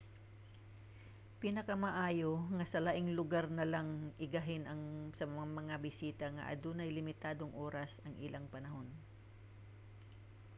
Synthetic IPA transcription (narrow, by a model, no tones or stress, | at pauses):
pinɐkɐmɐʔaːjoŋɐsɐlaʔɪŋlʊɡaɾnɐlaŋʔɪɡɐɦɪnʔɐŋsɐmɐŋabɪsiːt̪ɐŋɐ̰ʔɐ̰d̪uːnɐjlɪmɪt̪aːd̪o̞ŋʔo̞ːɾɐsɐŋʔɪlʔaŋpɐnɐho̞n